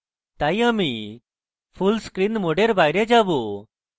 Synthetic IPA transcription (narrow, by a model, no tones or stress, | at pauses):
t̪ajami | pʰulskɾinmoɖeɾbajɾed͡ʑabu